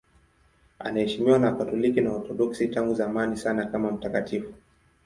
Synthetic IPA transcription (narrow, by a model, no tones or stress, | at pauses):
a̰nahɛʃimiwanakatɔlikinaɔtɔɗɔksitaŋɡuzaːmanisanakamam̩takatʰifu̥